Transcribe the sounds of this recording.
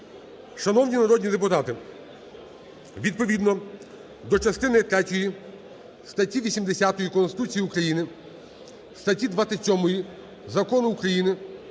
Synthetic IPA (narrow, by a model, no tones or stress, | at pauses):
ʃɐnɔwnʲinɐɾɔd̪ʲnʲid̪epʊt̪ɑt̪ɪ | ʋʲid̪̚pɔʋʲid̪nɔ | d̪ɔt͡ʃɐst̪ɪnɪt̪ɾɛtʲɔji | st̪ɐtʲiʋʲisʲimd̪esʲat̪ɔjikɔnst̪ɪt̪ut͡sʲijiukɾɐjinɪ | st̪ɐtʲid̪ʋat͡s̪ʲɪtʲsʲɔmɔji | zɐkɔnʊːkɾɐjinɪ